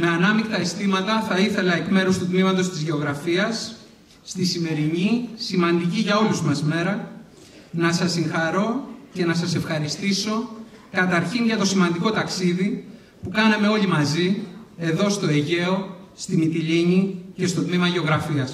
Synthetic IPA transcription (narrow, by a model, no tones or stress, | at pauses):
me̞ɐnɐmikt̪ɐest̪imɐt̪ɐθɐiθe̞lɐe̞kme̞ɾust̪ut̪mimɐt̪o̞st̪izʝe̞o̞ɣɾɐfiɐsː | t̪isime̞ɾiɲisimɐnd̪iciʝɐo̞luzmɐsme̞ɾɐ | nɐsɐsːiŋxɐɾo̞ce̞nɐsɐse̞fxɐɾist̪iso̞ | kɐt̪ɐɾçinʝɐt̪o̞simɐnd̪iko̞t̪ɐksiði | pukɐnɐme̞o̞ʎimɐzie̞ðo̞st̪o̞eʝe̞o̞st̪imit̪iʎiɲice̞st̪o̞t̪mimɐʝe̞o̞ɣɾɐfiɐs